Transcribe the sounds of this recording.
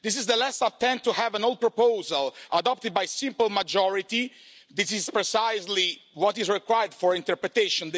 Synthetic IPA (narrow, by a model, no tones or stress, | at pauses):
d̪is̬izd̪əlɛsɔvt̪ɛ̃nt̪uhɛvɛ̃nolˠd̪̚pɹɔpowzalʔad̪ɔp̚t̪əd̪̚bajsĩmpəlˠmad͡ʒɔɹit̪i | d̪isizpɹɛsajzliwɔt̪izɹɛkwajəɹd̪fɔɹĩnt̪ɛɹpɹɛt̪eʃɔ̃n